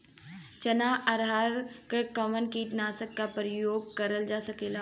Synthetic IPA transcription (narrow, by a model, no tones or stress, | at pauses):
t͡ʃɐnaːʔɐɾɦaːɾkekəmənkitnaːsəkːapɾɪjoːɡ̚kɐɾəld͡ʒaːsɐkeːla